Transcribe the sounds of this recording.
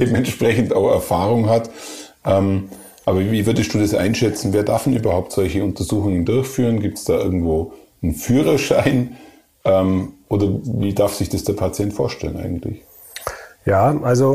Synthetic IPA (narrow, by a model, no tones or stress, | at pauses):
d̥eːbmɛntʃpʁ̥ɛçn̩taʊxɛ̰ɐfaːʁʊŋɦatʔɛːm | ʔaːbɐviːvʏɐdəstd̥uːdasʔa̰ɪnʃɛt͡sn̩veːɐdaɐfɛnʔyːbɐhaʊp̚tz̥ɔlçəʊntɐzuːxʊŋəndʊɐçfyːʁənɡiːp̚tsd̥aːʔɪɐɡŋ̩tv̥oː | nfyːʁ̞ɐʃaɪn | ʔɛːmʔoːdɐviːdaɐfsɪçd̥ɐsd̥eːɐpʰat͡sjɛntfoːɐʃtɛlənʔaɪɡŋ̩tlɪ̰ç | jaːʔalzo